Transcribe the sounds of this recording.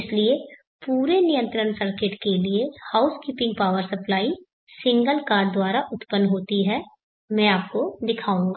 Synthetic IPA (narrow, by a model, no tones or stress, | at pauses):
ɪslie | puːɾenijə̃nt̪ɾəɳsəɾkɪʈkeliehaːʊskiːpɪ̃ŋɡpaːʋəɾsɐplaːi | sɪ̃ŋɡəlkaːɾɖd̪waːɾaʔʊt̪pənːɦoːt̪iɦɛː | mɛ̃ːaːp̚kod̪ɪkʰaːũːŋɡaː